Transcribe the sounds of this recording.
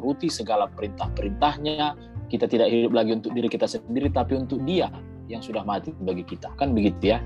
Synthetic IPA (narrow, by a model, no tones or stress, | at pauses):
ɾut̪isəɡalapəɾint̪ahpəɾint̪ahɲa | kit̪at̪idakɦidʊp̚laɡiunt̪ʊk̚diɾikit̪asəndiɾit̪apiunt̪ʊk̚dia | jaŋsudahmat̪ibaɡikit̪akanbəɡit̪uja